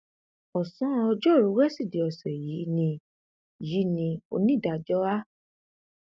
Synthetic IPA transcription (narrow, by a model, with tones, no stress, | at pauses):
ɔ˨sɔ̃˨˦ɔ˧d͡ʒo˦˨ɾũ˨˦wɛ˦si˦˨di˨˧˦ɔ˨sɛ˨ji˨˦nĩ˧ | ji˨˦nĩ˧o̰˧nĩ˦˨da˧d͡ʒɔ˦a˦